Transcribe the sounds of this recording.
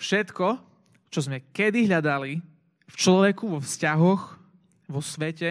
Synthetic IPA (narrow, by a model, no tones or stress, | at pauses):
fʃɛt̪kɔ | t͡ʃɔzmɛkɛd̪iɦʎad̪ali | ft͡ʃlɔʋɛkuʋɔfscaɦɔx | ʋɔsʋɛcɛ